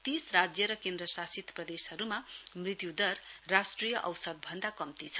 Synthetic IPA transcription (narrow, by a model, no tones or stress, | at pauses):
t̪israd͡zjʌɾʌkẽnd̪ɾʌsasit̪prʌd̪eshʌɾumamrit̪jud̪ʌrrasʈrijʌʔʌwsʌd̪̚bʱʌnd̪akʌmt̪it͡sʰʌ